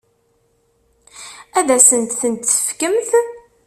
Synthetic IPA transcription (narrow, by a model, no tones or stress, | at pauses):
æðæsənt̪θənt̪θə̥fkəmθ